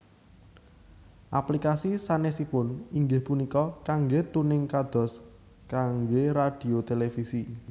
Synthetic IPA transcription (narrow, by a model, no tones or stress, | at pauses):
ʔaplikasisanesipʊniŋɡɪhpunikɔkaŋɡet̪unɪŋkad̪̥ɔ̤s | kaŋɡeɾad̥i̤ot̪elefisi